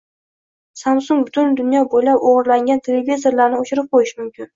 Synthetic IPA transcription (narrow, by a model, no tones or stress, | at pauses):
samsʊŋbʊt̪ʰʊnd̪ʊnjɒbojlapoʁɨɾlaŋɡʲant̪ʰelevizo̞ɾlaɾnɪot͡ʃʰɪɾɪp̚qʰojɪʃmʊmkʲɪn